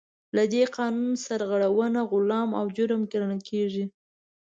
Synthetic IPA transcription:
lad̪eqɑnunsaɾɣaɽawənaɣʊlɑma̰wd͡ʒʊɾmkeɾanalkʰeʐi

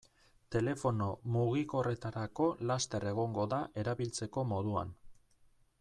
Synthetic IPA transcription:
t̪e̞le̞fo̞no̞muɣ̞iko̞re̞t̪aɾako̞last̪e̞re̞ɣ̞o̞ŋɡo̞ðaʔe̞ɾaβilt͡se̞ko̞mo̞ðua̰n

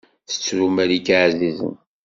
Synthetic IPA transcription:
θə̥t͡sːɾumæɾikaʕzizə̰n

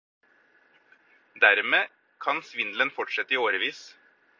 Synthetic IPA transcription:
d̪æɾmeː | kʰɑnsʋɪnd̪lənfɔʈʂɛt̪ːəiːoːɾəʋiːs

